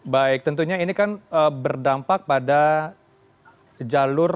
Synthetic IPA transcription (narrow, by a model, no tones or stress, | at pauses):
baɪk̚t̪ənt̪uɲainikanəbərdampak̚pada | d͡ʒalʊr